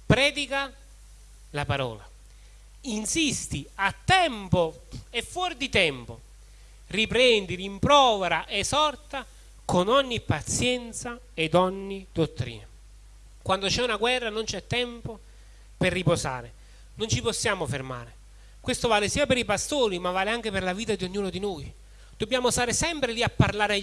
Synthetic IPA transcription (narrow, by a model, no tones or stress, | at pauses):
pɾɛːd̪ika | lapaɾɔ̰ːla̰ | insist̪iat̪ːɛmpo | ɛfːwɔɾd̪it̪ɛmpo̰ | ripɾɛnd̪iɾimpɾɔːveɾaʔesɔrt̪a | konɔɲːipːat̪sjɛnt̪sa | ed̪ɔɲːid̪ot̪ːɾḭːna | kwand̪ot͡ʃɛunaɡwɛrːanont͡ʃɛt̪ːɛmpo | perːiposa̰ːɾe | nont͡ʃiposːjaːmoferma̰ːɾe | kwest̪ovaːlɪsiːapeɾipast̪oːɾimavːaːleaŋk̟eperlaviːt̪ad̪ioɲːuːnod̪inoj | d̪̥obːjaːmost̪aːɾɪsɛmpɾeliapːarlaːɾ